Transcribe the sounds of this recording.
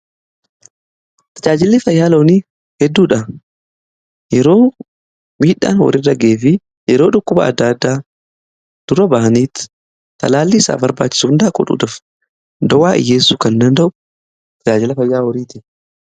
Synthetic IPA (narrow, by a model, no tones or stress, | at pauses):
t̪ʰɐd͡ʒaːd͡ʒɪlːɪfɐjːaːloːniː | hɛd̪ːuːᶑɐ | jɛɾo̞ː | miːᶑa̰ːnwɔ̰ɾɪrɐɡe̞ːfɪ | jɛɾo̞ːᶑʊkːʊbɐ̰ɐ̰d̪ːaːd̪ːaː | d̪̥ʊɾɐbaʔɐniːt̪ | t̪ːɐ̰laːlːiːsa̰ːbɐɾba̰ːt͡ʃːɪ̥suːʊnd̪ɐkʼɔ̰ᶑṵːd̪ɐf | d̪ɔwaːʔɪ̰jːeːsːuːkɐnd̪ɐnd̪ɐʔʊ | t̪ɐd͡ʒaːd͡ʒɪlɐfɐjːaːwɔɾiːt̪ɪ